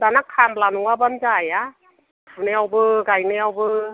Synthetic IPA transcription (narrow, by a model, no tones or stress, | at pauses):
danakʰːaːnplaːnuŋwabant͡ɕaja | nɛwbɯːkajnɛwbɯː